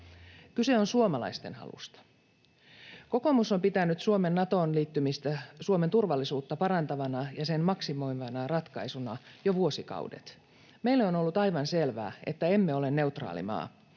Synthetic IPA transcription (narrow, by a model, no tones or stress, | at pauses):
kyse̞onsuomɑlɑ̰ist̪enhɑ̰lṵst̪ɑ̥ | ko̞komusompit̪ænyt̪suomenːɑt̪oːnliːt̪ːymist̪æsuoment̪urʋɑlːisuːt̪ːɑpɑɾɑnt̪ɑʋɑnɑjɑsenmɑksimo̞iʋɑnɑrɑt̪kɑisunɑjoʋuosikɑ̰ṵdḛt̪ | meilːeonolːut̪ɑjʋɑnselʋæ̰ːet̪ːæe̞mːeolenːe̞ut̪rɑ̰ːlḭmɑ̰ː